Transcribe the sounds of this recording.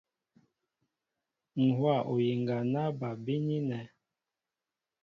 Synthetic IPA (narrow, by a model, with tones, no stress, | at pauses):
ŋ̩˨hwa˦˨ʔo˨ji˨ŋɡa˨na˦ba˨bi˦ɲi˦nɛ˨